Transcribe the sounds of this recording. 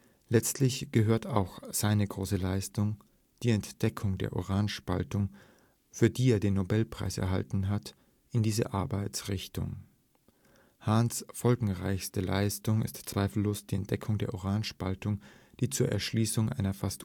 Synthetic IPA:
lɛt͡stʰlɪçɡ̥əɦøːɐtʰa̰ʊxz̥aɪnəɡʁoːsəlaɪstʊŋ | d̥iːɛntd̥ɛkʰʊŋdḛːɐʔo̰ʁaːnʃpa̰ltʊŋ | fyːɐdiːeːɐdeːnːobɛlpʁ̥a̰ɪsɛɐɦa̰ltn̩ɦat | ɪndiːzə̰ʔaɐbaɪt͡sʁɪçtʊ̰ŋ | hansfɔlɡŋ̩ʁa̰ɪçstəla̰ɪstʊŋɪ̰stt͡sv̥aɪfl̩loːsd̥iːɛnt̚d̥ɛkʰʊŋdeːɐʔoʁaːnʃpaltʊŋd̥iːt͡suːɐʔɛ̰ɐʃliːsʊŋʔa̰ɪnɐfast

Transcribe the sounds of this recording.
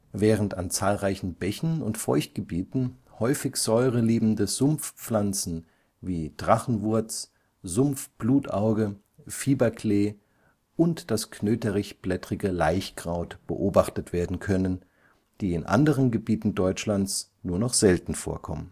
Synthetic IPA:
vɛːʁ̞ənta̰nt͡saːlʁaɪçn̩bɛçn̩ʊntfɔ̰ʏçt̚ɡ̥əbiːtn̩hɔʏfɪçz̥ɔʏʁəliːbm̩dəz̥ʊmfp͡flant͡sn̩ | viːd̥ʁaχn̩vʊɐt͡s | zʊmfb̥luːtʔaʊɡə | fiːbɐkʰleː | ʔʊntd̥askʰnøːtəʁɪçb̥lɛtʁ̥ɪɡəlaɪçɡ̥ʁaʊtb̥ə̰ʔoːbaχtətv̥eːɐdn̩kʰœnən | d̥iːɪnʔa̰ndəʁənɡəbiːtn̩dɔʏt͡ʃlant͡snuːɐnɔχz̥ɛltn̩fo̰ːɐkʰɔ̰mən

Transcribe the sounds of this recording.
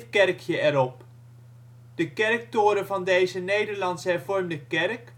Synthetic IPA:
fkɛrkʰjəɛɾɔp̚ | d̥əkɛrk̚toːɾəvɑndejzənejdəɹlɑntsɦɛrvɔrmdəkɛrk

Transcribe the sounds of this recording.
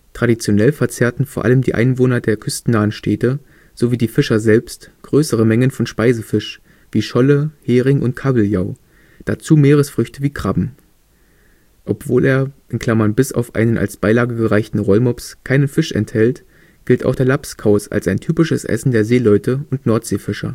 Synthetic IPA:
tʁ̥adit͡sjonɛlfɛɐt͡seːɐtn̩foːɐʔa̰ləmdḭːʔa̰ɪnvoːnɐdeːɐkʰʏstn̩naːənʃtʰeːtə | z̥oviːdiːfɪʃɐzɛlpstɡ̥ʁøːsəʁ̞əmɛŋənfɔnʃpaɪzəfɪʃ | v̥iːʃɔləheːʁɪŋʔʊnt̚kʰaːbl̩jaʊ | d̥at͡suːmeːʁ̞əsfʁ̥ʏçtəviːkʁ̥abm̩ | ʔɔpv̥oːlʔeːɐʔɪnkʰl̥amɐnbɪsa̰ʊfʔa̰ɪnənʔa̰lsb̥aɪlaːɡəɡəʁaɪçtn̩ʁɔlmɔpskʰaɪnənfɪʃɛ̰nthɛlt | ɡ̥ɪlta̰ʊxd̥eːɐlapskʰaʊsa̰lsaɪntʰyːpɪʃəsʔɛ̰sn̩deːɐzeːlɔʏtʰəʊntnɔɐtz̥eːfɪʃɐ̰

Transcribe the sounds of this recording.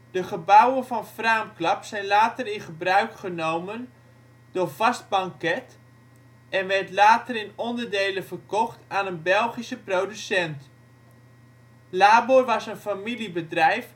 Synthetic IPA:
d̥əχəbawənvɑnfraːmklɑpsɛjnlaːtərɪnχəbrœɥkχənowmən | dʊːɹvɑst̚bɑŋkɛt | ɛnʋɛrtlaːtərɪnɔndərdejlənvərkɔχtaːnənbɛlˠχisəprowdysɛnt | laːborʋɑsənfamilibədrɛjf

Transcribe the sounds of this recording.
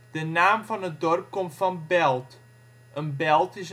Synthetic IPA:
d̥ənaːmfɔnət̚dɔrp̚komtfɔnbɛlˠt | ʔənbɛlˠtɪs

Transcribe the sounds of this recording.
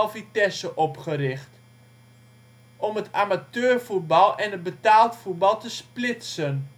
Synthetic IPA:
lˠfitɛsəʔɔpχərɪχt | ʔɔmətʰamatøːrfut̚bɑlˠɛnət̚bətaːlˠtfut̚bɑlˠtəsplɪtsən

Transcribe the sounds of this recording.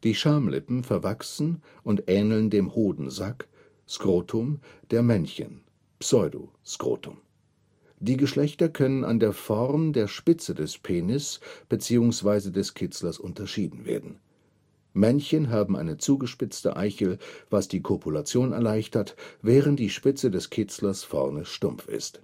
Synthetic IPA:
d̥iːʃaɐmlɪ̰pm̩fɛɐvaksn̩ | ʊntʔɛːnl̩ndeːmhoːdn̩zak | skʁ̥oːtʰʊmd̥eːɐmɛnçə̰n | psɔʏdo̰skʁ̥o̰ːtʰʊ̰m | d̥iːɡəʃlɛçtɐkʰœnəna̰ndeːɐfɔʁmdeːɐʃpɪt͡sədɛspʰeːnɪsb̥ət͡siːʊŋsv̥aɪzədɛskʰɪt͡slɐsʔʊntɐʃiːdn̩vḛːɐdn̩ | mɛnçənɦaːbm̩ʔa̰ɪnət͡suːɡəʃpɪt͡stə̰ʔa̰ɪçəlvasd̥iːkʰopʰulat͡sjoːnɛ̰ɐlaɪçtʰɐtvɛːʁənt̚d̥iːʃpɪt͡sədɛskʰɪt͡slɐsfɔ̰ʁnəʃtʊmfɪ̰st

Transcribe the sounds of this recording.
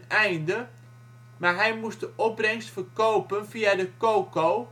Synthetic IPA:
ɛjndə | maɹɦɛjmust̚dəʔɔprɛŋstfərkowpənfiadəkoːkow

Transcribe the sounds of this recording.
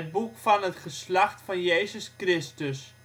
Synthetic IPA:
ət̚bukfɑnətχəslɑχtfɑnjeːzəskrɪstəs

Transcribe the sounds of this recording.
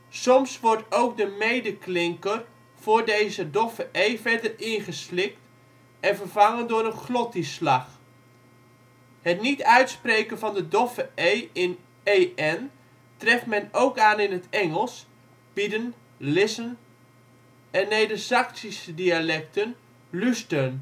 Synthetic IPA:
sɔmsʋɔɹtowk̚dəmejdəklɪŋkər | v̥ʊːɹdejzədɔfəʔejvɛrdərɪnχəslɪk̚t | ɛnvərvɑŋəndʊːɾənχlɔtislɑχ | hətnitœɥtsprejkənvɑndədɔfəejɪn | ejɛn | trɛftmɛnowkaːnɪnɦətɛŋəlˠs | b̥idən | lɪsən | ɛnːejdəsɑksisədialɛk̚tən | lystən

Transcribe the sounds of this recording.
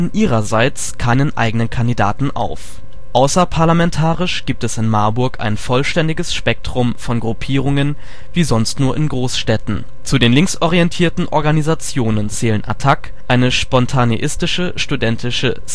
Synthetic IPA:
nʔiːʁ̞ɐzaɪt͡skʰaɪnənʔa̰ɪɡənənkʰandida̰ːtn̩ʔa̰ʊf | ʔaʊsɐpʰaɐlamɛntʰaːʁɪʃɡ̥iːp̚tɛsɪnmaɐbʊɐka̰ɪnfɔlʃtɛndɪɡəsʃpɛk̚tʁ̥ʊmfɔnɡʁupʰiːʁʊŋən | viːzɔnstnuːɐʔɪnɡʁoːsʃtɛtn̩ | t͡sudeːnlɪŋksɔʁiɛntʰiːɐtn̩ʔɔ̰ɐɡanizat͡sjoːnənt͡sɛːlənʔa̰tʰak | ʔaɪnəʃpɔntʰaneʔɪstɪʃəʃtudɛntʰɪʃə

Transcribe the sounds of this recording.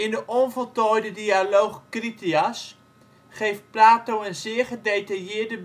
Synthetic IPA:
ɪndəʔɔnvɔlˠtɔjdədialowχkritias | χejft̚plaːtowənzɪːɹχədejtajɪədəb

